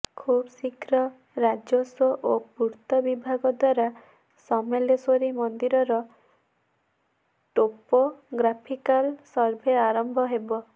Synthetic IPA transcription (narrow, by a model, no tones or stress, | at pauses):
kʰubsikʰɾɔ | ɾad͡ʒosɔʔopuɾt̪ɔbibʱaɡɔd̪waɾa | sɔmelesoɾimɔnd̪iɾɔɾɔ | ʈopoɡɾapʰikalsɔɾbʱeaɾɔmbʱɔɦebɔ